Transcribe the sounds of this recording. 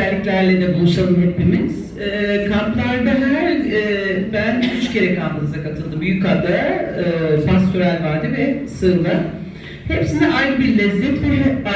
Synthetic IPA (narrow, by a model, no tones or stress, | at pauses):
ælʲːiclʲæɾlʲɛd̪ɛbulˠuʃalˠɯmɦeplimiz̥ | ɛːkʰamplˠaɾd̪aɦææɾː | bænyt͡ʃcʰe̞ɾɛkʰanp̪ɯnɯzakat̪ʰɯlˠd̪ɯmbyjyckʰad̪aɯpʰast̪ʰyɾælʲvaɾd̪ɯvɛsɯɾlˠɯ | hepsiniʔajɾɯbiɾlʲɛzɛt̪beɾɛ